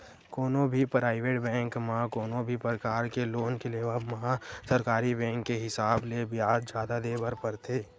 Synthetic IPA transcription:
koːnõbʱipɾaːɪʋeːʈbɛ̃ːŋkmɐɦãkoːnõbʱipɾəɾəkaːɾkeloːnkeleːʋamɐɦãsɐɾkaːɾibɛ̃ːŋkːeɦɪsaːblebɪjaːd̪d͡ʒjaːd̪ad̪eːbəɾpəɾt̪ʰeː

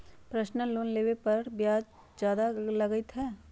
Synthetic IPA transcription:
pɾəʃnəloːnleːʋepɐɾbjaːd͡ʒ | d͡ʒjaːd̪alɐɡɪt̪ɦɛː

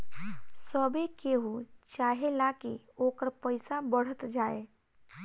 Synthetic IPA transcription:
səbekeɦut͡ʃaːɦelakḭ | oːkəɾpəɪsabəɽ̤ət̪d͡ʒaːe

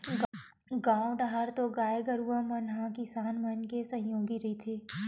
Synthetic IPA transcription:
ɡ | ɡãːõɖaɦaɾt̪oɡaːjeɡəɾuʋamɐnɦãkɪsaːnmənkesɐ̃ɦjoːɡiɾɐɦit̪ʰeː

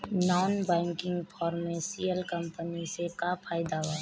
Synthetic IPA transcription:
nɔːnbɛ̃ːŋkɪ̃ŋɡpʰɔːɾmẽsijəlkə̃mpənisekapʰaːɪd̪aʋa

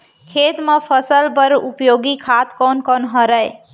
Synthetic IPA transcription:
kʰet̪mepʰəsəlpəɾupjoɡikʰat̪kɔnkɔnɦəɾəj

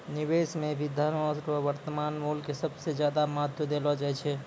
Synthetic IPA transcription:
nibesmebid̪ʱːaɾɾəʋəɾt̪əmanmulkesəbsed͡ʒjad̪amat̪jəd̪elɔd͡ʒaɛt͡ʃʰɛ

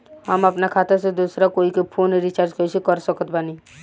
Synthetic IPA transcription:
həmɐpnakʰaːt̪eɾsed̪usɾakoːikepʰoːneɾit͡ʃaːɾd͡ʒkəisekəɾsəkət̪bani

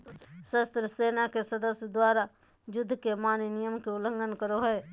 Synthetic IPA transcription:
səst̪ɾəseːnakesəd̪əsjəd̪waːɾa | d͡ʒʊd̪ʱːkemaːninijəmkeʊlə̃ŋɡənkəɾoɦɛe

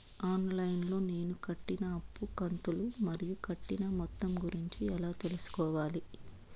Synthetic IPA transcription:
aːnlɐjnlo̞ːne̞ːnukɐʈːinɐɐpːukɐnt̪ulumɐɾijukɐʈːinɐmɔt̪ːɐmɡuɾiɲt͡ʃiɛlaːt̪e̞lusu̥kɔːʋaːli

